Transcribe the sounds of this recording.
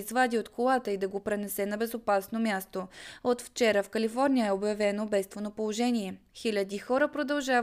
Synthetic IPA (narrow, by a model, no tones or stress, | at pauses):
zvad̪iot̪kʰolˠat̪əid̪ɐɡopɾɛnɛsɛnɐbɛzopasnomʲjast̪oot̪ft͡ʃɛɾəfkɐlifɔɾnʲijəɛobjɐvɛnobɛst̪vonopolˠoʒɛniɛ | xilʲəd̪ixɔɾəpɾod̪ɐlˠʒav